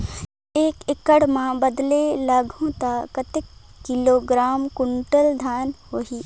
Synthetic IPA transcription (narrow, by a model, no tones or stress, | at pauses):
eːkɪkəɽmãbəd̪lelɐɡʱõt̪akət̪ɪkːɪloːɡɾaːmkʊɳʈəld̪ʱaːnhoːɦiː